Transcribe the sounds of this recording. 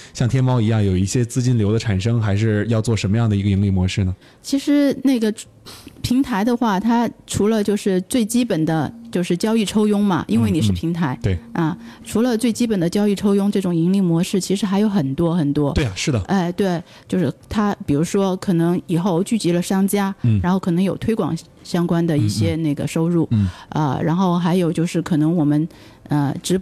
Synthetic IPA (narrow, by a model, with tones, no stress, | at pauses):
ɕjɑ˥˩ŋt̪ʰjɛ˥nmɑ˥ʊi˧˥jɑ˥˩ŋjo˨˩ʊi˥˩ɕjɛ˥t͡sɹ̩˥˧t͡ɕi˥nljo˧˥ʊd̪ə˧ʈ͡ʂʰa˨˩nʂɤ˥ŋxa˧˥ɪʂɻ̩˥˧jɑ˥˧ʊt͡swɔ˥˩ʂə˧˥nmə˧jɑ˥˩ŋd̪ə˩i˧˥ɡə˧i˧˥ŋli˥˩mwɔ˧˥ʂɻ̩˥˩nə˩ | t͡ɕʰi˧˥ʂɻ̩˧˥ne˥˩ɡə˩ | pʰi˧˥ŋt̪ʰa˧˥ɪd̪ə˧xwa˥˩t̪ʰa˥ʈ͡ʂʰu˧˥lə˧t͡ɕjo˥˧ʊʂɻ̩˥˧t͡swe˥˩ɪt͡ɕi˥pə˨˩nd̪ə˦t͡ɕjo˥˧ʊʂɻ̩˥˩t͡ɕjɑ˥ʊi˥˩ʈ͡ʂʰo˥ʊjʊ˥ŋmɐ̰˨ʔḭ˥nwe˥˩ɪni˨˩ʂɻ̩˥˧˩pʰi˧˥ŋt̪ʰa˧˥ɪt̪we˥˩ɪɐ˥˧ | ʈ͡ʂʰu˧˥lə˧t͡swe˥˩ɪt͡ɕi˥pə˨˩nd̪ə˦t͡ɕjɑ˥ʊi˥˩ʈ͡ʂʰo˥ʊjʊ˥ŋʈ͡ʂɤ˥˩ʈ͡ʂʊ˨˩ŋi˧˥ŋli˥˩mwɔ˧˥ʂɻ̩˥˩t͡ɕʰi˧˥ʂɻ̩˧˥xa˧˥ɪjo˧˥ʊxə˨˩nt̪wɔ˥xə˨˩nt̪wɔ˥˧˩ʂɻ̩˥˩də˩ə˥˧ɪt̪we˥˩ɪ | t͡ɕjo˥˧ʊʂɻ̩˥˩t̪ʰa˥pi˨˩ɻu˧˥ʂwɔ˥kʰɤ˨˩nɤ˧˥ŋi˨˩xo˥˩ʊt͡ɕy˥˩t͡ɕi˧˥lə˧ʂɑ˥ŋt͡ɕja˥˩a˧˥nxo˥˩ʊkʰɤ˨˩nɤ˧˥ŋjo˨˩ʊt̪ʰwe˥ɪkwɑ̰˨˩ŋ | ɕjɑ˥ŋkwa˥nd̪ə˨i˥˩ɕjɛ˥ne˥˩ɡə̰˩ʂo˥ʊɻu˥˩ə̰˧ɻa˧˥nxo˥˩ʊxa˧˥ɪjo˨˩ʊt͡ɕjo˥˧ʊʂɻ̩˥˩kʰɤ˨˩nɤ˧˥ŋwɔ˨˩mə˦n | ə˧ʈ͡ʂɻ̩˧˥